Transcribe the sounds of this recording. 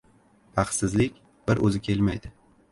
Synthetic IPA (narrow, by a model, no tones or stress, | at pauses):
pʰɑq̪sɪzlɪkʲ | b̥ɪɾʔɵ̰zɪkʲʰe̞lmajd̪ɪ